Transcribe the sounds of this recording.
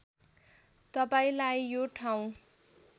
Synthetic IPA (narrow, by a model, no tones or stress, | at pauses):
t̪ʌpaĩlajːoʈʰaw̃